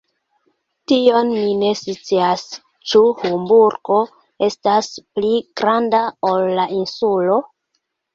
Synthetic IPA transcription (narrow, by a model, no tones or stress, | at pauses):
tio̞nmine̞sit͡seas | t͡ʃuhumbuɾɡo̞ | e̞staspliɡ̥ɾandaolːaʔinsulo̞